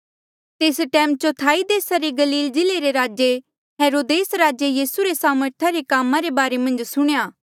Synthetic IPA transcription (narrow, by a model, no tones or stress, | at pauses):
t̪eːsʈɛːmt͡ʃot̪ʰaːid̪eːsaɾeɡɐliːld͡ʒɪleɾeɾaːd͡ʒe | ɦeːɾoːd̪eːsɾaːd͡ʒejiːsuɾesaːməɾt̪ʰaɾekaːmãɾebaːɾemɐ̃nd͡ʒsʊɽ̃ejaː